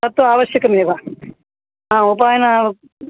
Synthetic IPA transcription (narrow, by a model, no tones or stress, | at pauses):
ɐt̪ːoaːʋɐʃjɐkɐmilbʱa | ɦãːupaːjna